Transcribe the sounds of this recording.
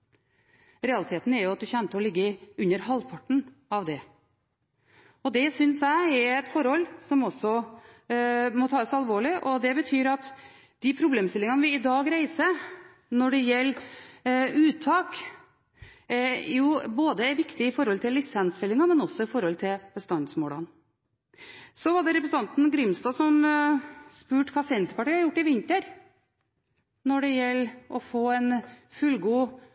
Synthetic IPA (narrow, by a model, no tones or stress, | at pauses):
ɾɛɑlɪt̪ʰeːt̪n̩ɛɾjʊɑt̪̚d̪ʉçɛnt̪əɔlɪɡːəʉnːəɾhɑlpʰɑʈɳ̩ | ɑʋd̪ɛ | ɔd̪ɛsʏnsæɪɛɛt̪fɔɾhɔlːsɔmɔsːɔ | mɔt̪ʰɑːɔsɑlʋoːɭɪʔɔd̪ɛbət̪ʰyːɾɑt̪ | d̪̥ɪpʰɾʊbleːmst̪ɪlɪŋɑnʋɪɪd̪ɑːɡɾæɪsə | nɔɖɛjɛlː | ʉːt̪ʰːɑːk | juːboːd̪əæɾʋɪkt̪ɪɪfɔɾhɔlt̪ʰɪlːɪsɛnsfɛlːɪŋɑmɛnɔsːɔɪfɔɾhɔlt̪ʰɪlb̥əst̪ɑnd̪smoːlɑ̰n | sɔʋɑɖɛɾɛpɾəs̩ɑnt̪n̩ɡɾɪmst̪ɑːsɔm | spʉːʈkʰɑːsɛnt̪əpɑʈiːəhɑɾjʊʈːɪʋɪnt̪əɾ | nɔɖɛjɛlːʔɔfoːɛnfʉlɡuː